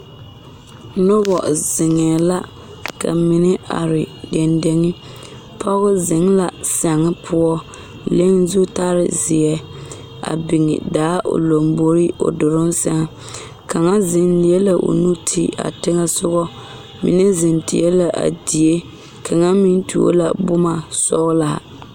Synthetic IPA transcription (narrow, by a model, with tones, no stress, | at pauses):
nɔ˦bɔ˨z̥ɪ˨ŋɛː˨la˦ | ka̰˨mɪ˨nɪ˦a̰˨ɾɪ˨dɛ˨nde˨ŋɪ˦ | pʰɔ˦ɣʊ˦zɪ˨ŋla˨sa˨ŋɪ˦pʰʊ˦ɔ˦ | le˦ŋ˦zu˦ta˦ɾɪ̰˦˨zɪ˨ɛ˦ | a̰˨bi˨ŋɪ̰˨daː˨˦ʔo̰˨lo˨mbo˦ɾi˦o̰˨dʊ˨ɾʊ˦nsa˦ŋ˨ | ka˨ŋa˦zɪ˨nlɪ˨ɛ˦la˨ʔo̰˨nu˦tʰḭ˦˨a̰˨tɪ˦ŋa˦sʊ˦ɣɔ˦ | mḭ˨nɛ˦zɪ˨ntḭ˨ɛ˦la˨ʔa̰˨di˨e˦ | kʰa˨ŋa˦mi˦n˦tʰu˨o̰˦la̰˨bʊ˦ma˨sɔ˦ɣʊ˦la˨a̰˨